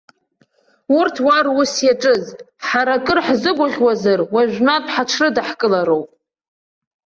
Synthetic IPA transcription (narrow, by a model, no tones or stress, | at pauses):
urtʰwarusjaʈ͡ʂʼɨz | ħaɾakʼɨrħzɨɡʷʊʁʲwazarwaʒᶣʷnatʰħaʈ͡ʂʰrɨdaħkʼɨlaɾo̞wpʼ